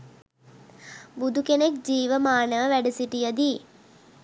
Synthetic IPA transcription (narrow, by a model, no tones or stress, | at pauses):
bud̪ukenek̚d͡ʒiːʋəmaːnəʋəʋæɖəsiʈijəd̪iː